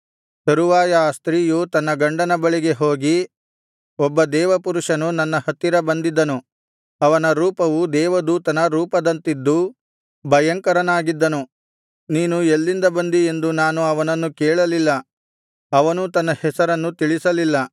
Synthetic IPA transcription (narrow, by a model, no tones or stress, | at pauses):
sɐɾuʋaːjɐst̪ɾiːjut̪ɐnːɐɡɐɳɖɐnɐbɐɭiɡe̞ɦo̞ːɡi | ɔbːɐd̪ɛːʋɐpuɾuʂɐnunɐnːɐhɐt̪ːiɾɐbɐnd̪id̪ːɐnu | ɐʋɐnɐɾuːpɐʋud̪ɛːʋɐd̪uːt̪ɐnɐɾuːpɐd̪ɐnt̪id̪ːu | bʱɐjɐŋkɐɾɐnaːɡid̪ːɐnu | niːnuelːind̪ɐbɐnd̪ie̞nd̪unaːnuɐʋɐnɐnːukɛːɭɐlilːɐ | ɐʋɐnut̪ɐnːɐhɛsɐɾɐnːut̪iɭisɐlilːɐ